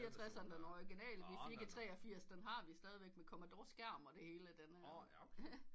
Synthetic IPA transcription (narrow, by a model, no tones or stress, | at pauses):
iɐt͡sʰʁasɐnəd̥enɒɪɡ̥e̝nɛ̰ːlʋifeɡ̥ət͡sʰʁɛ̰ːɒ̽fiɐ̰sd̥enɦɑ̈ʋisd̥ɛːð̞ˠiʋeɡ̥mekʰɒmæd̥ɒːsɡ̥æɐ̰mɒ̽d̥e̝he̝ːləd̥enə